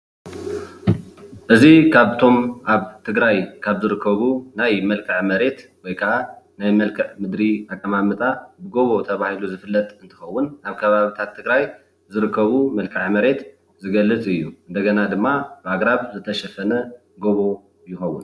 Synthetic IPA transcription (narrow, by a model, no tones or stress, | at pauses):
ʔɨzikʰaβt̪ʰo̞mʔaβt̪ʰɨɡɾajkʰaβzɨɾɨkʰːɐβunajmɐlkʰɐʕmɐɾe̞t̪wɔjkʰɐʕanajmɐlkʰɨʕmɨd̪ɾiakʼːɐmamɨt̪ʼabɨɡo̞βo̞t̪ʰɐβahiluzɨfɨlːɐt̪ʼɨnt̪ʰɨ̥xɐwːʊnaβkʰɐβaβit̪ʰat̪ʰːɨɡɾaj | zɨɾɨkʰːɐβumɐlkʰɐʕmɐɾe̞t̪ | zɨɡɐlːɨt͡sʼɨjːuʔɨnd̪ɐɡɐnad̪ɨmːabɨaɡɾaβzɨt̪ʰɐʃɐfɐnɐ | ɡo̞βo̞ | jɪxɐwːʊ̰n